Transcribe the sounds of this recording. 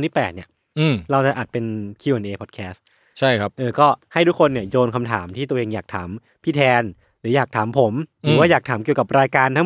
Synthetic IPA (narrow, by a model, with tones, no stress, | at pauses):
nʰiː˥˩pɛː˨˩t̪̚ni˦˩ɐ | ʔɯː˧˩mɾa˧wt͡ɕa˨˩ʔaː˨˩t̪̚pe˧nkʰiː˧ʔe˧nʔeː˧pʰɔː˨˩t̚kʰɛː˦˥s | t͡ɕʰa˥˩jkʰa˦˥p̚ʔɤː˧kɔː˥˩ha˥˩jt̪u˦˥kʰːo˧nːi˥˩ɐjoː˧nkʰa˧mt̪ʰa̰ː˩˦mt̪ʰiː˥˩t̪u˧əʔeː˧ŋjaː˨˩k̚t̪ʰa̰ː˩˦m | pʰiː˥˩t̪ʰɛː˧n | ɾɯː˩˦jaː˨˩k̚t̪ʰaː˩˦mpʰo˩˦mɾɯ˩˨˦waː˥˩jaː˨˩k̚t̪ʰaː˩˦mki˨˩əwka˨˩p̚ɾaː˧jkaː˧nt̪ʰa˦˥